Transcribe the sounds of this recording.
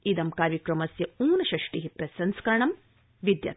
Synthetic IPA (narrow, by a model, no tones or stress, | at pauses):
id̪ɐmkaːɾjɐkɾɐmɐsjɐuːnɐʃɐʂʈiɦipɾɐsɐnskɐɾɐɳɐm | ʋid̪jɐ̰t̪